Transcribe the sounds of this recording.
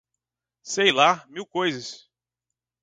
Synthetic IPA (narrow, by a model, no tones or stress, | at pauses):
sejlamiwkojzɐs